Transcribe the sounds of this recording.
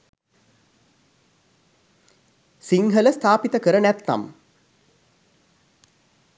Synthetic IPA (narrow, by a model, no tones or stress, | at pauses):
siŋɦələst̪ʰaːpit̪əkəɾənæt̪ːa̰m